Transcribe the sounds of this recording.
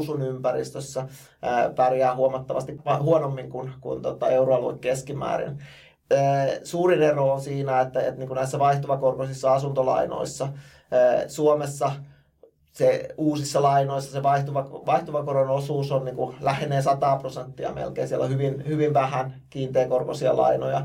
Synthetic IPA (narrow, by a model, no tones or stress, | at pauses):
sunympærḭst̪øsːæ | əpærjæːhuomɑt̪ːɑʋɑ̰st̪ikɑhuonomːiŋkunkṵnt̪ot̪ɑ̰euroɑluikkeskimæ̰ːɾḭn | əːsuːrineroonsiːnæet̪ːæḛt̪niːŋkunæisːæʋɑiht̪oʋɑkorkosisːɑɑsunt̪olɑ̰ino̰isːɑ | əːsuomesːɑ | seuːsisːɑlɑinoisːɑseʋɑiht̪uʋɑʋɑiht̪oʋɑkoɾonosuːsonniːŋkulæhneːsɑt̪ɑːprosent̪ːiɑ̰mḛlkḛːnsielːo̰hyʋinhyʋinʋæhænkiːnt̪eːkorkosiɑ̰lɑ̰ino̰jɑ